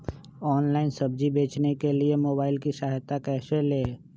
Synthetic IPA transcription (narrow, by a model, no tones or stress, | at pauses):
ɔːnlaːɪnsɐbd͡ʒibeːt͡ʃnekeliemoːbaːɪlkiʃaːɦt̪akɛːseleː